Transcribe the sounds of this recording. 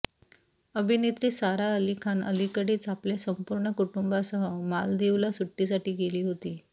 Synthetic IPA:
əbʱinet̪ɾiːsaɾaəlikʰanə̰likəɽeːt͡sapljasəmpuɾɳəkuʈumbasəɦəma̰ld̪eulasuʈːis̬aʈiːɡeliːɦot̪iː

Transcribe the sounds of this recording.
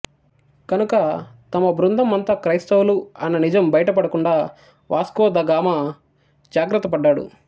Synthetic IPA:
kɐnukɐt̪ɐmɐbɾund̪ʱɐmɐnt̪ɐkɾɐjst̪ɐwluɐnːɐnid͡ʒɐmbɐjɐʈɐpɐɽɐkuɳɖaː | ʋʔaːskɔːd̪ɐɡaːmɐ | d͡ʒaːɡɾɐt̪ːɐpɐɖːaːɽṵ

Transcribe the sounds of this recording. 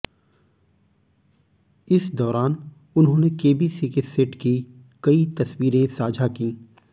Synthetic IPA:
ɪsd̪ɔːɾaːn | ʊnɦõːnekeːbiːsikesɪʈki | kɐit̪ɐswiːɾẽsaːd͡ʒʱakĩː

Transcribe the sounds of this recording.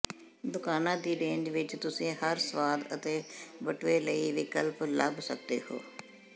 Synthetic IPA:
d̪ʊkaːnãːd̪iːɾẽːɲd͡ʒʋɪt͡ʃt̪ʊsẽːhəɾsəʋaːd̪ə̰t̪eːbəʈʋeːləiːʋɪkəlplə̰bsə̰k̚d̪ḛːho̰ː

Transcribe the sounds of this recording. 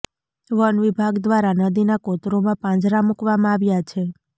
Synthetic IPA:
ʋənʋibʱaɡd̪ʋaɾanəd̪inakot̪ɾomãpãd͡ʒɾamukʋamãaʋjat͡ʃʰe

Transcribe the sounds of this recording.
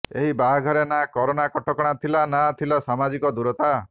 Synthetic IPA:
eɦibaɦɡʱɔɾenakɔɾonakɔʈʰɔkɔɽ̃at̪ʰilanat̪ʰilɔsamad͡ʒikɔd̪uɾɔt̪a

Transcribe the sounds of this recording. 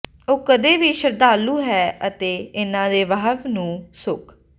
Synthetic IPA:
oːkəd̪eːʋiːʃəɾd̪aːlũːɦɛːʔət̪eːɪnãːd̪eːʋəɦəʋnũːsʊk

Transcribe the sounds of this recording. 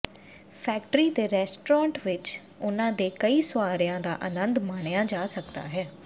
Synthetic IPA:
pʰɛːk̚ʈɾiːd̪eːɾɛːsʈɾãːɳʈʋɪt͡ʃ | ʊnãːd̪eːkəiːsʊaːɾɪjãːd̪a̰ːʔənənd̪maːɳejãːd͡ʒaːsəkd̪a̰ːɦɛː

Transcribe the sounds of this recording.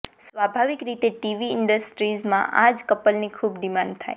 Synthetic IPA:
sʋabʱaʋikɾit̪eʈiʋiɪɳɖəsʈɾizmã̰ʔad͡ʒkəpəlnikʰubd̪imãnt̪ʰa̰j

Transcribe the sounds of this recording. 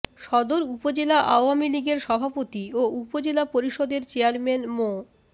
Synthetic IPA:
ʃɔd̪oɾupod͡ʑelaʔa̰oamiliɡeɾʃɔbʱapot̪ioupod͡ʑelapoɾiʃod̪eɾt͡ɕeaɾmenmo

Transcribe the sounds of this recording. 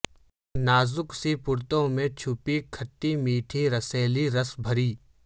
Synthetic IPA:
naːzʊksipʊɾt̪õmẽt͡ʃʰʊpikʰɐʈːimiːʈʰiɾɐseːliɾɐsbʱɐɾiː

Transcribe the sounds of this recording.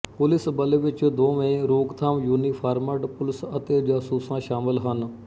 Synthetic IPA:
pʊlɪsbəleːʋɪt͡ʃd̪oːʋə̃ẽɾoːɡt̪ʰaːmjuːniːpʰaːɾməɖpʊlɪsət̪eːd͡ʒaːsuːsãːʃaːmɪlɦən

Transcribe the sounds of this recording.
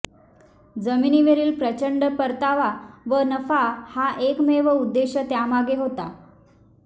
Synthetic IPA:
d͡zəminiːʋeɾiːlpɾət͡ɕəɳɖəpəɾt̪aʋaʋənəfahaʔekmeʋəud̪ːeɕət̪jamaɡeɦot̪a

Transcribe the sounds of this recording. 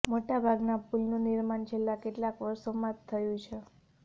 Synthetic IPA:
moʈabʱaɡnapulnũniɾmant͡ʃʰelːakeʈlakʋəɾsomãt̪ʰːəjũt͡ʃʰe

